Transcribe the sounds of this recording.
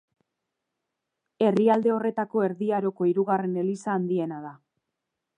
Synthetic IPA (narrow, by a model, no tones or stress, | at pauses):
e̞riald̪e̞o̞re̞t̪ako̞e̞ɾðiaɾo̞ko̞iɾuɣare̞ne̞lisaːnd̪ie̞naða